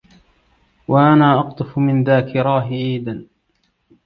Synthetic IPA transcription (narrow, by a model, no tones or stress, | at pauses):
waʔanaːʔɑqt̪ˤɨfmɪnðaːkɪɾˤɑːɦɪʕiːd̪an